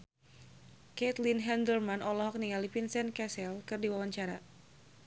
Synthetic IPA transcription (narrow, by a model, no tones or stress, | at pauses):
kɛt̪linɦɛndərmanʔɔlɔɦɔk̚niŋalipinsɛnkɛsɛlkɨrdiwawaɲt͡ʃaɾa